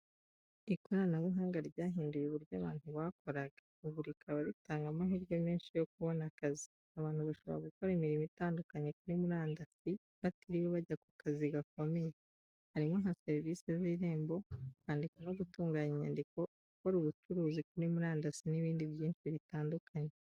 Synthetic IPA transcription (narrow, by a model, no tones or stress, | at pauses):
ikoɾanaβuɦaːŋɡaɾɟaːɦiːndujeβuɾɟaβaːnhuβaːkʰo̞ɾaɡa | uβuɾikʰaβaɾitaːŋɡamaɦiːɾɟo̞miːnʃijo̞k̚uβo̞nakazi | aβaːn̥huβaʃo̞βo̞̰ɾaɡuko̞ɾemiɾimitaːndukaɲe̞kuɾimuɾaːndasi | βatiɾiweβaɟakukaziɡak̚o̞me̞je | haɾimŋoɦaseɾvisiziɾe̞ːmbo̞aːndikonoɡutuːŋɡaːɲiɲa̰ndiko̞ɡuko̞ɾuβut͡ʃuɾuːzikuɾimuɾaːndasiniβiːndiβjiːnʃiβitaːndukʰaɲe